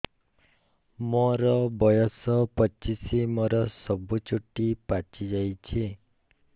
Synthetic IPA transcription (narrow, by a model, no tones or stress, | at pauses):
mɔɾɔbɔjɔsɔpɔt͡ʃisimɔɾɔsɔbut͡ʃuʈipat͡ʃid͡ʒajt͡ʃʰi